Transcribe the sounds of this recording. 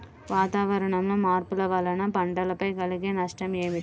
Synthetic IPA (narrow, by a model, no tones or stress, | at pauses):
ʋaːt̪aːʋɐɾɐɳɐmlo̞ːmaːɾpulɐʋɐlɐnɐpɐɳɖɐlɐpɐjkɐliɡeːnɐʂʈɐmeːmi